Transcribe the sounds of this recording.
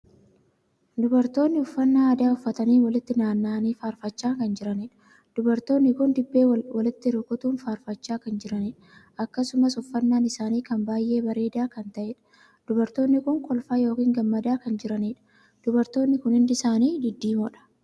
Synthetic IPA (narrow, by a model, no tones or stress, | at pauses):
d̪ʊbɐɾt̪o̞ːnːɪʊfːɐnːaːɐd̪aːʊfːɐt̪ɐniːwɐlɪt̪ːɪnaːnːaːniːfaːɾfɐt͡ʃːaːkɐnd͡ʒɪɾɐneᶑɐ̥ | d̪̥ʊbɐɾt̪o̞ːnːɪkʊnd̪ɪbːe̞ːwɐlɪt̪ːɪɾʊkʼʊt̪uːnfaːɾfɐt͡ʃːaːkɐnd͡ʒɪɾɐneᶑɐ | ɐkːɐsʊmɐsʊfːɐnːaːnɪsaːniːkɐmbaːjʔe̞ːbɐɾe̞ːd̪aːkɐnt̪ɐʔeːᶑɐ̥ | d̪̥ʊbɐɾt̪o̞ːnːɪkʊŋkʼɔlfaːjo̞ːkiːŋɡɐmːɐd̪aːkɐnd͡ʒɪɾɐneːᶑɐ̥ | d̪̥ʊbɐɾt̪o̞ːnːɪkʊnɪnd̪ɪsaːniːd̪ɪd̪ːiːmɔᶑɐ̥